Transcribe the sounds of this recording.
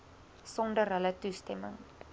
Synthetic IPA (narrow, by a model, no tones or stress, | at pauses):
sɔndərɦələtustɛmə̰ŋ